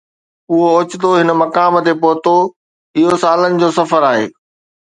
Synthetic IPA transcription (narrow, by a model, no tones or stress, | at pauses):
ʊɦoʊt͡ɕɪt̪oɦɪnə̆mɐkaːmt̪epoːɦt̪o | ɪɦosaːlənɪ̆d͡ʑoːsɐfəɾaːɦḛː